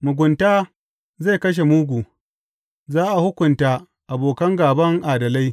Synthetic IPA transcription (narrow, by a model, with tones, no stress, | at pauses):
mʊ˨ɡʷʊ˨ntaː˦ | za˦˨jkɐ˦ʃ̬e˨muː˦ɡʷuː˨ | zaː˦ʔa˨hʊ˦kʷʊ˨nta˦ | ʔa˨boː˨kɐ˦ŋɡaː˨bɐ˦ŋʔaː˨dɐ˨la˦j